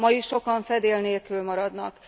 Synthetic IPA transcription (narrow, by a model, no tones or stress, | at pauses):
mɒjiʃʃo̞kɒɱfɛd̪eːlneːlkylmɒɾɒd̪nɒk